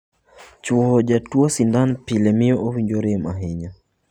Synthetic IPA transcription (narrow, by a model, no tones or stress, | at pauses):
t͡ʃuhɔʄatuasindanpilɛmiɔʔɔβiɲd͡ʒɔɾɛmaɦɛɲa